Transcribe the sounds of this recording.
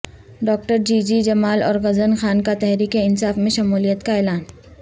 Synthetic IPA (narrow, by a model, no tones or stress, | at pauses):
ɖɔːk̚ʈəɾd͡ʒiːd͡ʒid͡ʒɐmaːlɔːɾɣɐzənxaːnkat̪ɛɦɾiːkeɪnsaːfmẽʃɐmuːlijət̪kaeːlaːn